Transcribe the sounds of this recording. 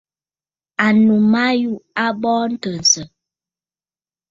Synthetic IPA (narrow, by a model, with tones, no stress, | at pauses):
a˨nu˨ma˦ju˦ʔa˦bɔː˦n̩˦tə˨n̩˨sə˨